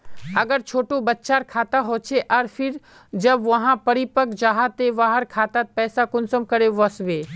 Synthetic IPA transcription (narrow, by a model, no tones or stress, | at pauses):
ɐɡəɾt͡ʃʰoːʈõbɐtːʃaːɾkʰaːt̪aɦoːt͡ʃʰeʔɐɾfʰɪɾ | d͡ʒɐbʋɐɦãpɐɽipəkd͡ʒaːɦat̪eʋaːɦəɾkʰaːt̪at̪̚pɛːsakʊnsəmkɐɾeʋɐsʋeː